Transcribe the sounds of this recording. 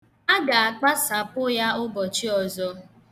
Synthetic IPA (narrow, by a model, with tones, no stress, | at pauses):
a˦ɡa˨a˨k͡pa˦sa˨pʊ˦ja˦ʊ˦bɔ˨t͡ʃi˦ɔ˨zɔ˨